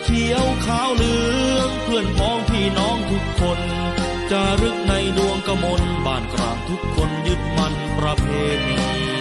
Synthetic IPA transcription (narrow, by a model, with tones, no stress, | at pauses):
k̪ʰi˦˥əwkʰaː˦˥wlɯː˦˥əŋpʰɯ˧˩ənmʰɔː˦˥ŋt̪ʰiː˧˩nɔː˦˥ŋt̪ʰu˦˥kʰːo˧n | t͡ɕa˧˩ɾɯ˦˥k̚na˧jdu˧əŋka˧mo˧nbaː˨˩nkɾa̰ː˨˩ŋt̪ʰu˦˥kʰːo˧njɯ˦˥t̪̚ma˧n | pɾa˧pʰeː˧t̪̚